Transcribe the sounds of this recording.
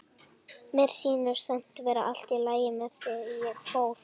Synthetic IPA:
mɛɾ̥siːnʏɾ̥sɛm̥t̪vɛːɾa̰ʔal̥t̪ilaːjɪmɛðθɛðijɛɣkʰvoːwθ

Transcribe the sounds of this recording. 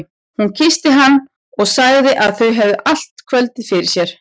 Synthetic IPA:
huncʰɪst̪ɪɦanː | ɔɣsaɣðɪʔaðθœɥɦɛvðʏʔal̥t̪kʰvœlt̪ɪfɪɾɪ̥sjɛɾ̥

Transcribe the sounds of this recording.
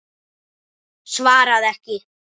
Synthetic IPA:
svaːɾaðɛhcɪ

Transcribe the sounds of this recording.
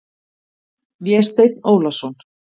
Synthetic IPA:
vjɛst̪ejt̪noːwlasɔn

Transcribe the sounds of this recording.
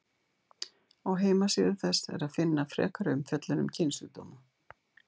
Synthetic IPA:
awɦeːjmasɪðɪθɛsɛ̰ɾaðfɪnːafɾɛ̰ːkaɾʏmfjœt̪lɪnʏmcʰɪnsʏt̪oːma

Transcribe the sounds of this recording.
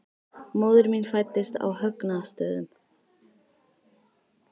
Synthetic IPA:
moːwðʏɾminfajt̪ːɪst̪a̰whœknast̪œːðʏm

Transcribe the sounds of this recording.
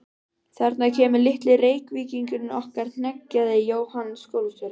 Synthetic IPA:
θɛɾt̪nacʰɛːmʏlɪht̪lɪreːjkviːciŋkʏnɔhkaɾ̥n̥ɛcːaðɪjoːwhansːkoːwlst̪œɾɪ

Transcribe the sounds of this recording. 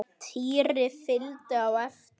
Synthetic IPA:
t̪ʰiːɾɪfɪlt̪ʏawaθ

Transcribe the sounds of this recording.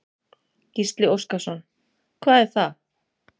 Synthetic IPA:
cist̪lɪowskasɔn | kʰvaːðɛɾ̥θa

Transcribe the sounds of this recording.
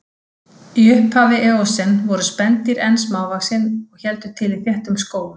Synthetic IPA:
iʏhphavɪʔɛɔsɪnvɔɾʏspɛnt̪iɾɛnsmaːwvasɪnɔɣçɛlt̪ʏt̪ʰɪlɪθjɛht̪ʏmskoːwlʏ

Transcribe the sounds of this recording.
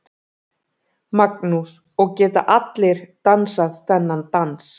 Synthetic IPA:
maknus | ɔɣcɛːt̪a̰ʔat̪lɪɾ̥t̪ansaðθɛnːant̪ans

